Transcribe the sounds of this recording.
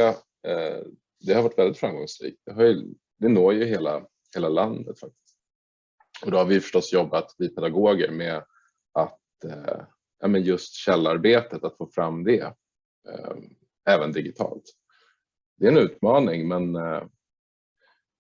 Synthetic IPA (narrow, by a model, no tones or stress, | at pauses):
d̪ɛhaɾvaʈːvɛld̪ɪt̪fɾamɡɔŋsɾḭːk̚t̪̚d̪̥ɛɦaɾjə | d̪ɛnoːjɵɦeːla̰ | heːlaland̪ə̰t̪fak̚t̪ɪ̥st̪ | ɔd̪ɔhaɾvɪjʏfœʂʈɔsːjɔbːat̪vɪpʰɛd̪aɡoːɡə̰ɾmɛ | at̪ | a̰ːmənjɵst̪ɕɛlːaɾbeːt̪ət̪at̪foːfɾamːd̪ɛ | ɛːvənd̪ɪɡɪt̪ʰɑ̰ːlt̪ | d̪̥ɛɛnʉ̟ːt̪mɑːnɪŋmɛn